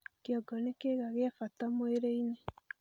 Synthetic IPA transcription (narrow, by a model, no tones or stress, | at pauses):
kjɔɡɔnekeɣaɣeafatamweɾeine